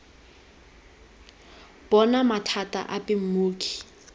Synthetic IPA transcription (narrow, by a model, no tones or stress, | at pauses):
b̥ɔnamatʰatʼa̰ʔapʼɪm̩muːkʼi̥